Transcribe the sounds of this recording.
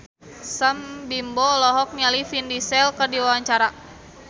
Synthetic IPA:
səmbimbɔlɔɦɔk̚nialifindisɛlkərdiwawaɲt͡ʃaɾa

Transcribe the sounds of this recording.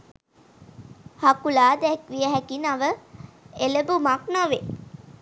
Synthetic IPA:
hakulaːd̪ɛkʋijəɦækinaʋə | eləbumaknaʋe

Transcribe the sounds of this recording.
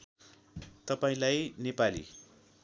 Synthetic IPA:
t̪ʌpaĩlajnepalḭ

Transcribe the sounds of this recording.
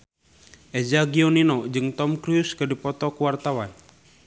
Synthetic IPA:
ʔɛd͡ʒaɡiɔninɔd͡ʒɨŋt̪ɔmkɾiuskɨdipɔt̪ɔkuwart̪awan

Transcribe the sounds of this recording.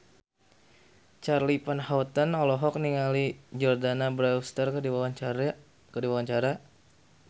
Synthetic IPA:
t͡ʃarlipanhawt̪ənɔlɔɦɔk̚niŋalid͡ʒɔrdanabɾaust̪ər | kədiwawaɲt͡ʃaɾa

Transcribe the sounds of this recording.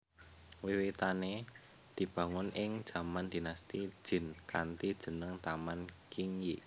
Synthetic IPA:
wiwit̪ane | d̪̥i̤b̥ä̤ŋʊnʔɪŋ̥ʒ̥ä̤mand̪̥i̤nast̪id̥ʒ̥ɪ̤nkant̪id̥ʒ̥ə̤nəŋt̪amankiŋji

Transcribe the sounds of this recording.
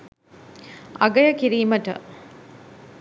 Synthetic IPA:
ɐ̰ɡɐjəkiɾiːməʈə̰

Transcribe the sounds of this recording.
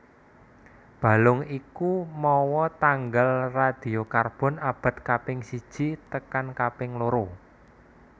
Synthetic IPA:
b̥a̤lʊŋikumɔwɔt̪aŋɡalrad̪̥i̤okarb̥ɔ̤nab̥a̤t̪̚kapɪŋsid̥ʒ̥i̤t̪əkankapɪŋloɾo

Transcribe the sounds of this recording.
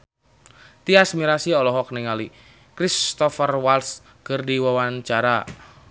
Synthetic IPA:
t̪iasmiɾasiɔlɔɦɔk̚niŋali | kɾist̪ɔfərwals | kərdiwawant͡ʃaɾa

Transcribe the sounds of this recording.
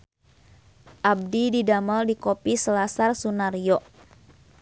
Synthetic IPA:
ʔab̚dididamaldikopisəlasarsunarijɔʔ

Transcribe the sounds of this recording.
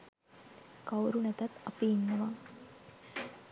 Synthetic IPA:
kawɾunɛt̪at̪ɐpiːnːəʋaː

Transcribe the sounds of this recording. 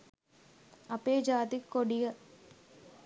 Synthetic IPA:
ɐpeːd͡ʒaːd̪ikːɔɽɪjɐ

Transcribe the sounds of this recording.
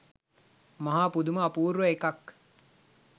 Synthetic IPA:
mɐɦaːpud̪uməːpuːɾʋəekak

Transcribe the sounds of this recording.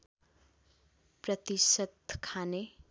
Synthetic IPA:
prʌt̪isʌd̪kʰane

